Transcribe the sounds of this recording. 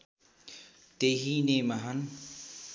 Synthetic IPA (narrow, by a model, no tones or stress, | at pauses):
t̪eɦinemaɦʌn